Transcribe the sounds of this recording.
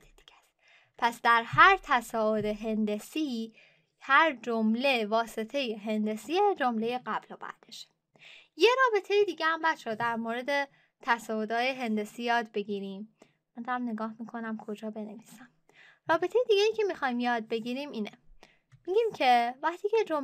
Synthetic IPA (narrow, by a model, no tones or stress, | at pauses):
ed̪̥iɡæs | pʰæsd̪æɾhæɾt̪ʰæsɒːod̪e̞ɦe̞nd̪e̞si | hæɾd͡ʒomle̞vɒːse̞t̪ʰe̞jeɦe̞nd̪e̞siːjed͡ʒo̞mle̞jeɢæblobæ̰d̪̥eʃe̥ | je̞ɾɒːbe̞t̪ʰe̞jed̪iːɟehæmbæt̪ʃod̪æɾmoɾe̞d̪e̞ | t̪ʰæsɒːod̪ɒːjeɦe̞nd̪e̞sijɒːd̪be̞ɡiːɾimː | ænd̪æmne̞ɡɒːhmikʰo̞næmkʰo̞d͡ʒɒːbe̞ne̞viːsæm | rɒːbe̞t̪ʰe̞jed̪iːɡʲejiːcʰe̞mixɒːjmjɒːd̪̚be̞ɟiːɾimiːne | miɟimcʰe̞væχt̪ʰiːcʰed͡ʒom